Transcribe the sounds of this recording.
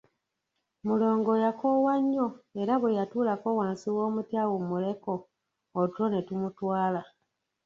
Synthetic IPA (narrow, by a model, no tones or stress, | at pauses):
mulo̞ːŋɡo̞jakowaɲːo̞e̞ɾaβwejatuːlako̞waːnsiwo̞ːmutjawumule̞ko̞ː | tuo̞ne̞tumutwaːla